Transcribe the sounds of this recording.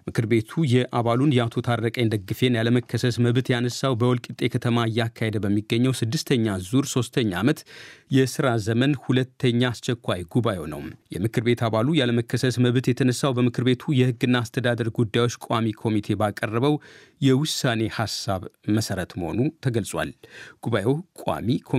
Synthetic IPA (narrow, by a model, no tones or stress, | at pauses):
mɨkɨɾbe̞t̪ʰujɛʔaβalunjɛat̪ʰo̞t̪ʰaɾɾəkʼəjnd̪əɡːɨfe̞njaləməkʰːəsəsməβt̪janəsːawbəwɔlkʼɨt̪ʼe̞kʰət̪ʰəmaɨjːakʰːahe̞d̪bəmːiɡːəɲːəwsɨd̪ːɨst̪ʰəɲːazuɾso̞st̪ʰəɲːaamət̪jɛsɨɾazəmənhulət̪ʰːəɲːaːst͡ʃɛkʰʷːajɡuβajonə̰wmjɛ̰mɨkʰɨɾbe̞t̪ʰaβalujaləməkʰːəsəsməβt̪jɛt̪ʰənəsːawbəmɨkʰɨɾbe̞t̪ʰujɛhɨɡːɨnːaːst̪ʰəd̪ad̪əɾɡud̪ːajwo̞t͡ʃːkʷʼamikʰo̞mit̪ʰe̞bakʼərːəβəw | jɛwʊsːane̞hasːaβməsəɾət̪məho̞̰nut̪ʰəɡəlsʼwa̰lɡ̥uβajewkʼa̰mikʰo